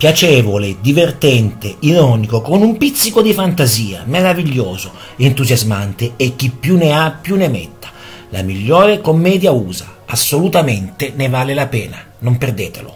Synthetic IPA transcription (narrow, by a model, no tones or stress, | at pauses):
pjat͡ʃɛːvoled̪ivert̪ɛnt̪eiɾɔnikokonumpit̪sːikod̪ifant̪aziːa̰meɾaviʎːoːzo | ent̪uzjazmant̪eek̟ːipːjuneapːjunːemɛ̰t̪ːḁ | la̰miʎːɔːɾekomːɛːd̪jauːza̰ | asːolut̪ament̪enevaːlelapɛːna | nomperd̪eːt̪elo̰